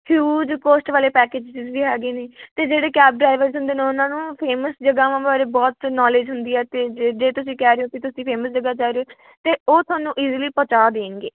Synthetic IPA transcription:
hjuːd͡ʒkoːsʈʋaːleːpɛːkeːd͡ʒt͡ʃizʋiːɦɛːɡeːneːt̪eːd͡ʒeːɽeːkɛːb̚ɖɾaːɪʋəɾzɦʊ̃nd̪eːneːʊnãːnũːpʰeːməsd͡ʒəɡaːʋãːbaːɾeːbɔːt̪nɔːleːd͡ʒɦʊnd̪iːɛːt̪eːd͡ʒeːt̪ʊsĩːkɛːɾeõːk̪it̪ʊsĩːpʰeːməsd͡ʒəɡaːt͡ʃaːɾeoː | t̪eːoːt̪ʰʊaːnũːʔiːzliːpət͡ʃaːd̪eːŋɡeː

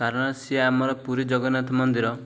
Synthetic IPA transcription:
kaɾɔɽ̃ɔsieamɔɾɔpuɾid͡ʒɔɡɔnat̪ʰɔmɔnd̪iɾɔ

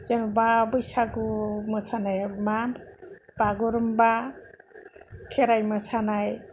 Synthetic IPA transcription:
zenbabɯjsaɡumɯsanajmamb̥aɡuɾɯmba | kʰeɾajmɯsanaj

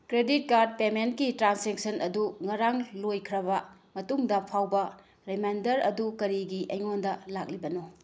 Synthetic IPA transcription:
kɾedit̚kaɾd̚pementkitɾanseksɐnʔɐduŋɐɾaŋlojkʰɾɐβɐmɐtuŋdɐpʰawbɐ | ɾemajndɐɾɐ̰dukɐɾiɡiʔɐjŋondɐlak̚libɐno

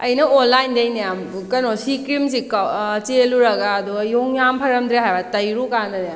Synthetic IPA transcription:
ɐjnɐolːajndɐjnejamkɐnosikɾims̬ikɐt͡ʃeluɾɐɡaːduɡɐjoŋjampʰɐɾɐmdɾeɦajbatɐjɾukanɐdjam

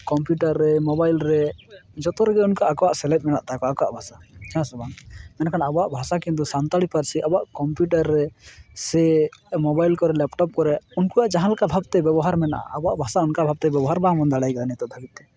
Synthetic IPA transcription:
kɔmpjuʈaɾːɛmɔbajlɾɛd͡ʒɔt̪ɔɾɛɡɛunkaʔakɔwaʔsɛlɛt̪̚ˀmɛnaʔt̪akɔakɔwa̰ʔbʱasahãsɔbaŋmɛnakʰanabɔaʔbʱasakint̪̬usant̪aɽipaɾsiʔabɔaʔkɔmpjuʈaɾːɛsɛmɔbajlkɔɾɛlɛpʈɔp̚kɔɾɛunkujaʔd͡ʒaɦãlakabʱab̚t̪ɛbɛbɔɦaɾmɛna̰ʔa̰abɔaʔbʱasaunkabʱab̚t̪ɛbɛbɔɦaɾbamɔnd̪aɽajɡɛd̪anit̪ɔd̪ʱabit̪̚ːɛ

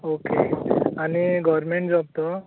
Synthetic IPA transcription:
okḛaniɡɔʋɾmeɳʈd͡zɔb̚t̪ɔ

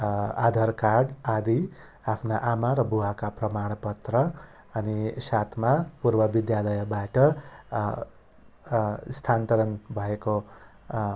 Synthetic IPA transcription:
a̰d̪ʱʌrkaɽad̪i | apʰnaʔamaɾʌbuwakaprʌmaɽ̃ʌpʌt̪rʌ | ʌnisat̪ʰmapurbʌbid̪jalʌjʌbaʈʌ | st̪ʰant̪ʌɾʌnbʱʌeko

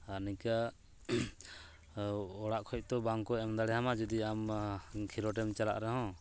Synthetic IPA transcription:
aɾnika | ɔɽaʔkʰɔc̚t̪ɔbaŋkɔɛmd̪alɛhamad͡ʒɔd̪iamkʰiɾɔʈɛmt͡ʃala̰ʔɾɛɦɔ̃

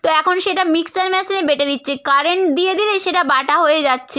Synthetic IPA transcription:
t̪oɛkʰonʃeʈamiksaɾmɛsinebeʈed̪itːɕʰekaɾeɳʈd̪ijed̪ileʃeʈabaʈaɦojed͡ʑatːɕʰe

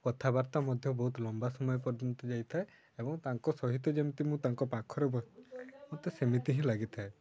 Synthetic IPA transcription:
kɔt̪ʰabaɾt̪amɔd̪ʱjɔbɔɦut̪lɔmbasɔmɔjɔp̬ɔɾd͡ʒɔnt̪ɔd͡ʒajt̪ʰae | ebɔŋt̪aŋkɔsɔɦit̪ɔd͡ʒemit̪imũt̪aŋkɔpakʰɔɾebɔmũt̪esemit̪iɦĩlaɡit̪ʰae

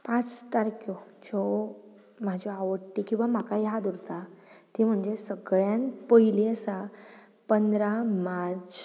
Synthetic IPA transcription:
pãt͡st̪aɾkjɔd͡ʑɔ | m̤ad͡ʑʱɔaʋəʈːikĩw̃ʋam̤akajɦad̪uɾt̪at̪im̤əɳd͡ʑesəɡɭjãnpəɦiliəsa | pənd̪ɾamaɾt͡s

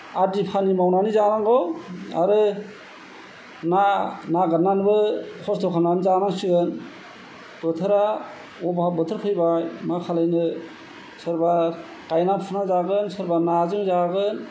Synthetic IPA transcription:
adipʰanimawnanizanaŋɡɔa̰ɾɯ | nanaɡanːanbɯkʰɔsdʰɔkʰananzanaŋsiɡɯn | b̥ɯt̪ʰɯɾa | ɔbabɯtʰɯɾkʰɯjbajmakʰalɯjnɯ | sɯɾba | kajnapʰɯnazaɡɯnsɯɾbanazɯŋzaɡɯn

